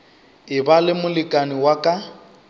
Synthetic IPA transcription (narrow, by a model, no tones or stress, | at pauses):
ɪbalɪmʊlɪkʼaniwakʼa